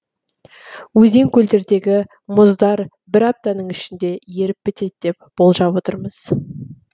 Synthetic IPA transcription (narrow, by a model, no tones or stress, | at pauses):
wɵze̞ŋkʲʰɵld̪e̞ɾd̪e̞ɡʲɪ | mʊzd̪ɑɾ | bɪɾɑp̚t̪ɑnəɴɪʃɪnd̪e̞je̞ɾɪpːɪt̪e̞d̪̚d̪̥e̞p̚b̥o̞lˠʒɑpwo̞t̪əɾməz̥